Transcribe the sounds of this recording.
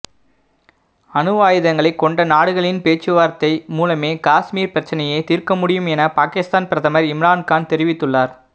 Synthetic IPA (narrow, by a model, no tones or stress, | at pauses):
ɐnɯʋaːjɪðɐŋɡɐɭɐɪkːɔɳɖɐnaːɽɯɣɐɭɪnpeːt͡ʃːɯʋaːɾt̪ːɐɪmuːlɐmeːkaːsmiːɾpɪɾɐt͡ʃːɐnɐjɐɪt̪iːɾkɐmʊɽɪjɯmɛnɐpaːkɪst̪aːnpɪɾɐðɐmɐɾɪmɾaːnkaːnt̪ɛɾɪʋɪt̪ːɯɭːaːɾ